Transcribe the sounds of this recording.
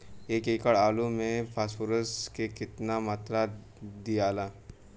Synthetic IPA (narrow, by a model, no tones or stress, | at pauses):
eːkeːkəɽaːlumẽpʰaːsfuɾəskekɪt̪namaːt̪ɾa | d̪ijaːlaː